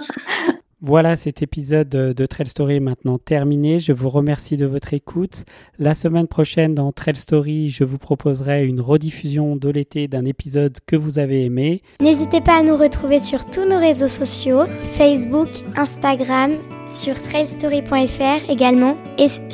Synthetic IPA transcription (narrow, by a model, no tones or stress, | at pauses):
vwalasɛt̪ʰepizɔd̪ːət̪χɛlst̪ɔʁimɛ̃t̪nɑ̃t̪ɛʁmineʒəvuʁəmɛʁsid̪əvɔt̪χekʰut̪ | lasəmɛnpχɔʃɛnd̪ɑ̃t̪χɛlst̪ɔʁiʒəvupχɔpʰozʁɛynʁəd̪ifyzjɔ̃d̪əlet̪ed̪ɛ̃nepizɔd̪kəvuzaveːme | nezit̪epaːnuʁət̪χuvesyʁt̪unoʁezosɔsjofɛsbukɛ̃st̪aɡʁam | syʁt̪χɛlst̪ɔʁipwɛ̃ɛfɛʁeɡalmɑ̃ | e